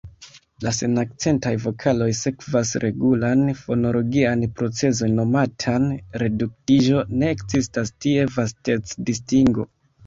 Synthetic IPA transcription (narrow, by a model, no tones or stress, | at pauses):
lase̞nakt͡se̞ntajvo̞kʰalo̞jse̞kvasɾʔe̞ɡulanfo̞no̞lo̞ɡianpɾo̞t͡se̞so̞nːo̞matʰanɾe̞duk̚tiʒo̞ne̞ːkzistastie̞vaste̞t͡sdistiŋɡo̞